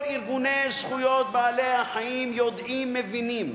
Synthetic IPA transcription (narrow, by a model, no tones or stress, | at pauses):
ɾiɾɡunesxujɔːd̪̚baːleahɐiːmjoːd̪iːmːeʋiniːm